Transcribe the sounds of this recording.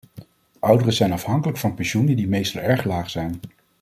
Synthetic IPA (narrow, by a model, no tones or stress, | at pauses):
ʔʌwdərəzɛjnɑfɦɑŋkələkfɑnpɛnʃunədimejstɑlˠɛɹχlaːχzɛjn